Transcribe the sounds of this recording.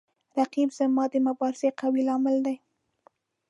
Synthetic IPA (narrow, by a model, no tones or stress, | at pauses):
ɾaqibzamɑd̪əmabɑɾɪseqawilɑmɪld̪aj